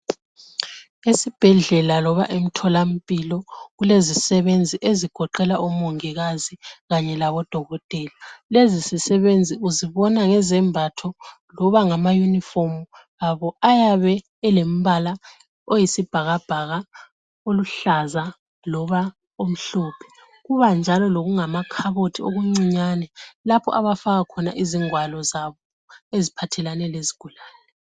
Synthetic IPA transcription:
esib̥ʱɛɮɛlalɔβa̰ʔem̩tʰɔlam̩pʼilɔɣulezisɛβend͡zʱiʔeziɡ̥ʱɔǃɛlaʔumoŋiɣaziɣaɲɛlaβɔd̥ʱɔɣɔtʼɛlalezisisɛβend͡zʱiuziβɔnaŋɛzɛmbʱatʰɔ | lɔβaŋamajunifomu | ɣaβɔajaβɛː | lem̩βala | ojisib̥ʱaɣab̥ʱaɣa | oluɬaza | lɔβa | om̩ɬɔpʰɛ̥ | ɣuβand͡ʒʱalɔloɣuŋamakʰaβotʰioɣuŋ͡ǀiɲanɛlapʰɔ̰ʔaβafaɣakʰɔnaʔiziŋwalɔzaβɔ | ezipʰatʰɛlanɛleziɡ̥ʱulaːnɛ

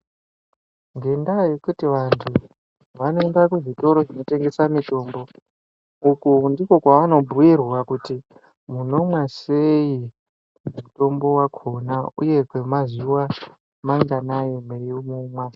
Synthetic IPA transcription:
ŋɡe̞ndajekutiʋantʰu | ʋanoendakuʐito̞ɾo̞ʐino̞te̞ŋɡe̞samito̞ːmbo̞ | ukundiko̞kwaʋano̞bʱuwirwakuti | muno̞mwaseji | muto̞mbo̞wakʰo̞naṵje̞kwemazuwa | maŋɡanajomejomumwa

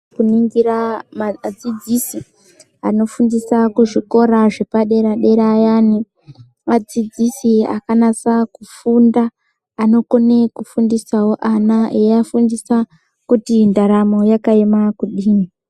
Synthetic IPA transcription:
kuniŋɡiɾamad͡zid͡zisi | ano̞fundisakuʐiko̞ɾaʐe̞paɗe̞ɾaɗe̞ɾajaːni | mad͡zid͡zisia̰kanat͡sakufundaː | no̞ko̞ne̞kufundisawoʔanaʔeafundisa | kutindaɾamo̞jakaemakuɗiːmi

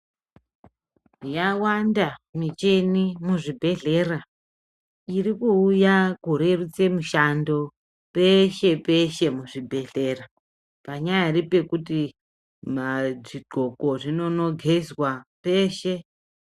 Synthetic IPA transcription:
jawandamit͡ʃe̞nimuʐibʱe̞ɮe̞ra | irikuːjakuɾe̞rut͡se̞muʃando̞ | peʃe̞pe̞ʃe̞muʐibʱe̞ɮe̞ːra | paɲajaripe̞kuti | maʐiɡʱo̞ko̞ʐino̞no̞ɡʱe̞zwape̞ːʃe̞

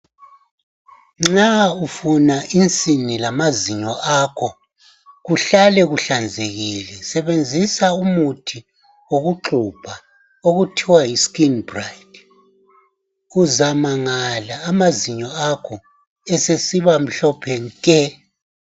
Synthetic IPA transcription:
ŋ͡ǁaufunaʔint͡sʼinilamaziɲɔʔakʰɔ | ɣuɬalɛɣuɬand͡zʱeɣilɛsɛβend͡zʱisaumutʰi | oɣuǃub̥ʰʱa | oɣutʰiwaiskinbrajd | uzamaŋalaːmaziɲɔakʰɔ | ɛsesiβam̩ɬɔpʰɛŋkʼɛ

